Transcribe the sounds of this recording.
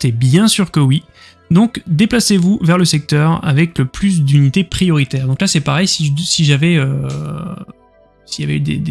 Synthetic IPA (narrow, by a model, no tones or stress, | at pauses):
t̪ɛbjɛ̃syʁkəwi | d̪ɔ̃kd̪eplasevuvɛʁləsɛk̚t̪œʁa̰vɛkləplys̬d̪ynit̪epχijɔʁit̪ɛːʁd̪ɔ̃klasɛpaʁɛjsiʒəsiʒavɛø | sija̰vɛ̰yd̪ḛd̪e